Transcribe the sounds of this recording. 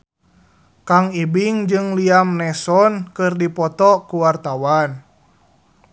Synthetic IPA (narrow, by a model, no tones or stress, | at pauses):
kaŋibiŋd͡ʒɨŋliamnɛsɔnkɨrdipɔt̪ɔkuwart̪awan